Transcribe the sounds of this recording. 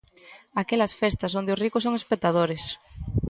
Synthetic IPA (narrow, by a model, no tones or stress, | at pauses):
akelasfest̪asond̪eʊsrikosoŋespek̚t̪að̞oɾes